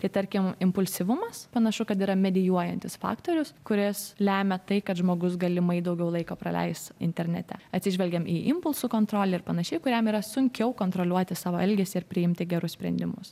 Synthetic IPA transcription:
t̪ɐɪt̪ɐɾʲkʲɪmɪmpʊlʲsʲɪʋʊmɐspɐnɐʃʊkɐt̪iːɾɐmʲɛd̪ʲɪjuɔjɛnʲt̪ʲɪsfɑ̰ːkt̪oːɾʲʊskʊɾʲɪslʲæːmʲɛt̪ɐɪkɐt̪ʒmoːɡʊs̬ɡɐlʲɪmɐɪd̪ɐʊɡʲɛʊlˠɐɪkoːpɾɐ̰lʲɛ̰ɪst̪ɪ̰nʲt̪ʲɛɾʲnʲɛ̰t̪ʲɛ̰ɐt̪ʲsʲɪʒʲʋʲɛlʲɡʲɛmʔiːʔɪmpʊlˠsʊkoːnt̪ɾoːlʲɛɪɾpɐnɐʃʲɛɪkʊɾʲɛmiːɾɐsʊŋʲkʲɛʊkoːnt̪ɾoːlʲuɔt̪ʲɪsɑːʋoːɛlʲɡʲeːsʲɪɪɾpʲɾʲɪɪmʲt̪ʲɪɡʲɛɾʊssʲpʲɾʲɛ̰nʲd̪ʲɪmʊs

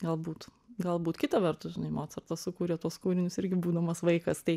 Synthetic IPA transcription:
ɡɐlˠbuːt̪ɡɐlˠbuːt̪kʲɪt̪ɐʋʲɛrt̪ʊsʒʲɪnɐɪmoːt̪sɐrt̪ɐssʊkuːɾʲɛt̪uɔskuːɾʲɪnʲʊsɪɾʲɡʲɪbuːd̪ɐmɐsʋɐɪkɐst̪ɐɪ

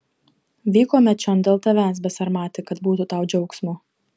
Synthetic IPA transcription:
ʋʲiːkoːmʲɛt͡ʃʲɔnd̪ʲeːlˠt̪ɐʋʲæːsbʲɛsɐɾmɑːt̪ʲɪkɐt̪buːt̪ut̪ɑˑʊd͡ʒʲɛʊksmʊ

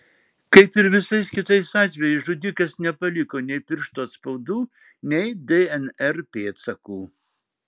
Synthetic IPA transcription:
kɐɪpɪɾʋʲɪsɐɪskʲɪt̪ɐɪsɑːt̪ʲʋʲɛjɛɪʒʊd̪ʲɪkɐsnʲɛpɐlʲɪkoːnʲɛɪpʲɪɾʃt̪oːt̪spɐʊd̪uː | nʲɛɪd̪eɛnɛɾpʲeːt̪sɐkuː

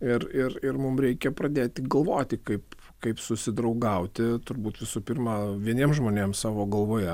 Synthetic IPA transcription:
ɪrɪrɪrmʊmɾʲɛɪkʲɛpɾɐd̪ʲeːt̪ʲɪɡɐlˠʋoːt̪ʲɪkɐɪp | kɐɪpsʊsʲɪd̪ɾɐʊɡɐʊt̪ʲɪt̪ʊɾbuːt̪ʋʲɪsuːpʲɪrmɑːʋʲiɛnʲiɛmʒmoːnʲeːmsɑːʋoːɡɐlˠʋoːjɛ

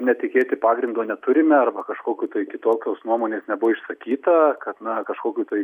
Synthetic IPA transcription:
nʲɛt̪ʲɪkʲeːt̪ʲɪpɑːɡɾʲɪnd̪oːnʲɛt̪ʊɾʲɪmʲɛɐrbɐkɐʃkoːkʲuːt̪ɐɪkʲɪt̪oːkʲoːsnuɔmoːnʲeːsnʲɛbʊʋoɪʃsɐkʲiːt̪ɐkɐt̪nɐkɐʃkoːkʲuːt̪ɐɪ

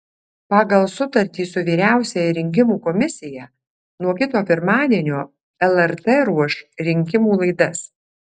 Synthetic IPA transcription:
pɑːɡɐlˠsʊt̪ɐɾʲt̪ʲiːsʊʋʲiːɾʲæˑʊsʲɛjɛɾʲɪŋʲk̬ʲɪmuːkɔmʲɪsʲɪjɛ | nuɔkʲɪt̪oːpʲɪɾmɑːd̪ʲiɛnʲoː | ɛlˠɛɾt̪ɛːɾuɔʃɾʲɪŋʲkʲɪmuːlˠɐɪd̪ɐs

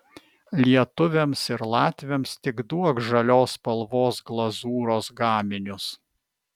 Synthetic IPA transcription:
lʲiɛt̪ʊʋʲɛmsɪɾlˠɑːt̪ʲʋʲɛmst̪ʲɪɡd̪uɔkʒɐlʲoːspɐlˠʋoːsɡlˠɐzuːɾoːsɡɑːmʲɪnʲʊs

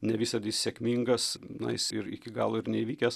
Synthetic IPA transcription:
nʲɛʋʲiːsɐd̪ʲiːssʲɛkʲmʲiŋɡɐsnɐ̰ɪsɪɾɪ̰kʲɪɡɑ̰ːlˠoːɪɾnʲɛiʋʲiːkʲɛs

